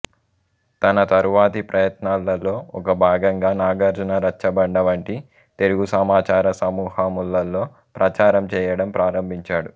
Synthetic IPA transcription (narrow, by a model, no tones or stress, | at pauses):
t̪ɐnɐt̪ɐɾuʋaːt̪ipɾʔɐjɐt̪naːlːɐlːo̞ːɔkɐbʱaːɡɐŋɡaːnaːɡɐɾd͡ʒɐnɐɾɐt͡ʃːɐbɐɳɖɐʋɐɳʈi | t̪eɾuɡusɐmaːt͡ʃaːɾɐsɐmuːhɐmulːɐlːo̞ː | pɾʔɐt͡ʃaːɾɐmt͡ʃɛːjɐɽɐmpɾaːɾɐmbʱiɲt͡ʃaːɽu